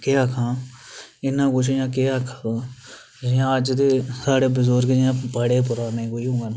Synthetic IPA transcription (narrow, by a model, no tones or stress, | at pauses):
keːakʰãː | ɪnːãːkʊt͡ʃʰjãːkeːakʰːaːd̪ãː | d͡ʒɪjãːəd͡ʒd̪eːsaːɽeːbəzoːɾked͡ʒjãːpəɽeːp̬ʊɾaːnẽːkoːiːɦõːɡaːn